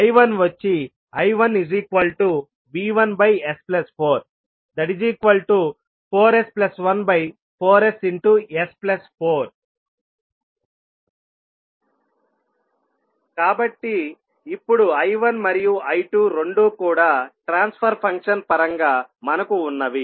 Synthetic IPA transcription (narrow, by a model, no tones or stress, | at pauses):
ɐjʋɐnʋɐt͡ʃːi | ɐjʋɐnid͡ʒiːkʋɐlʈu | biːʋɐnbɐjesplɐspʰoːɾ | d̪ɐɽid͡ʒiːkʋɐlʈu | pʰoːɾesplɐsʋɐnbɐj | pʰoːɾesiɳʈuesplɐspʰoːɾ | kaːbɐʈːiː | pːuɽuɐjʋɐnmɐɾijuɐjʈuːɾo̞ɳɖuːkuːɽaːʈɾaːnspʰɐɾpʰɐŋkʂɐnpɐɾɐŋɡaːmɐnɐkuːnːɐʋi